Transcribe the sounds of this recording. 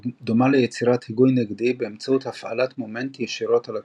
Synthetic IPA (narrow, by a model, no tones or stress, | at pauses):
domalejet͡siʁathiɡujneɡdibeːmt͡sauthafa̰latmomentijeʃiʁo̞tala